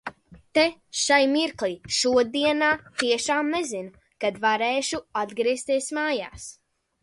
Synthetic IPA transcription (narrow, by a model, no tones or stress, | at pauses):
t̪eʃajmiɾklˠiʃuɔd̪iɛnaːt̪iɛʃaːmnezinu | kad̪vaɾeːʃuad̪ɡɾiɛst̪iɛsmaːja̰ːs